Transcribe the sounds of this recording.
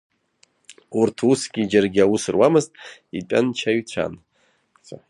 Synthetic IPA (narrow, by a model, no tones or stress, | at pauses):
urtʰusɡʲid͡ʒarɡʲiawusɨrwamɨztʼitʼant͡ʃʰaɥt͡ɕʷʰa̰nʰʷ | a